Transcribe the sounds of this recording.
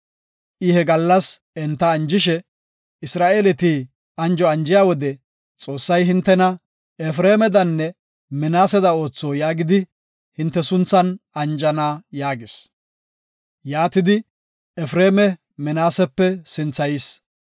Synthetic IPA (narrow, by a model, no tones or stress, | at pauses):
ʔɪhɛɡɐlːɐs | ɛnt̪ːɐːnd͡ʒɪʃɛ | ɪsɾaːʔeːlɛt̪iː | ɐnd͡ʒɔɐnd͡ʒɪjaːwɔd̪ɛ | t͡sʼo̞ːsːɐjɦɪnt̪ːɛnɐ | ɛfɾeːmɛd̪ɐnːɛ | mɛnaːsɛd̪ɐo̞ːt͡sːoːjaːɡɪd̪ɪ | hɪnt̪ːɛsʊnt͡sːɐnɐnd͡ʒɐnaːjaːɡɪs | jaːt̪ɪd̪ɪ | ɛfɾeːmɛ | mɛnaːsɛpːɛsɪnt͡sːɐjɪs